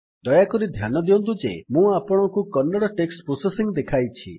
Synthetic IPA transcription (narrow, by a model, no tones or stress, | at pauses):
d̪ɔjakɔɾid̪ʱjanɔd̪iɔnt̪̬ud͡ʒḛmũapɔɽ̃ɔkukɔnːɔɽɔʈeksʈpɾusesiŋd̪ekʰajt͡ʃʰi